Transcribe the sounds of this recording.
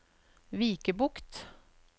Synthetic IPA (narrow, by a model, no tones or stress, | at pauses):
ʋiːkəbʊkt̪